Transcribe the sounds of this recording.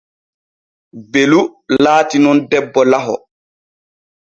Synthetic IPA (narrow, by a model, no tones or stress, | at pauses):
belulaːtinɔndɛbːɔlaɦɔ